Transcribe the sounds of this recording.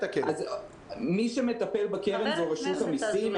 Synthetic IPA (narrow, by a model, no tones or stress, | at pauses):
kaz | miʃemet̪ɐpe̞lbakeʁenzoʁeʃuthamisim